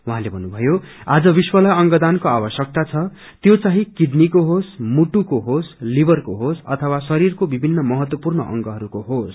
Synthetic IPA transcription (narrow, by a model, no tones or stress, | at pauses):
wuɦãlebʱʌnːubʱʌjo | ad͡zʌbiswʌlʌjʌŋɡʌd̪ankoabʌsjʌk̚t̪at͡sʰʌ | t̪jot͡saɦĩkiɖnikoɦosmuʈukoɦoslibʌrkoɦosʌ̰t̪ʰʌwasʌɾirkobibʱinːʌmʌɦʌt̪wʌpurnʌʔʌ̰ŋɡʌɦʌɾukoɦos